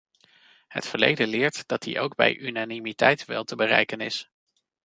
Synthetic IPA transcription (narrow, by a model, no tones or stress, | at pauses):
hə̰tfəɹlḛjdəlɪːɹtd̥ɑt̚dḭʔowɡbɛ̰jʔynanimitɛjtʋɛ̰lˠtəbərɛ̰jkənɪs